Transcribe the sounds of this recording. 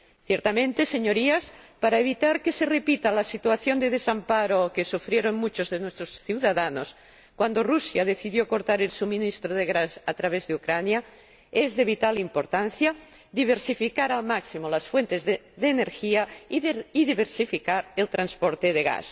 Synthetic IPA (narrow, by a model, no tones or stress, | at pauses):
θjeɾt̪amẽnt̪eseɲo̞ɾiaspaɾaeβ̞it̪aɾkese̞repit̪alasit̪uaθjo̞nd̪eðesampaɾokesufɾjeɾonmut͡ʃozðenwest̪ɾosθjuwðaðanos | kwand̪orusjað̞eθiðjoko̞ɾt̪aɾelsumĩnist̪ɾoðeɣɾasat̪ɾaβezðeukɾanja | ezðe̞β̞it̪alimpoɾt̪anθja | ðiβ̞eɾsifikaɾalmaksimolasfwe̞nt̪ez | ðeːneɾxiaiiðiβeɾsifikaɾelt̪ɾanspoɾt̪eðeɣa̰s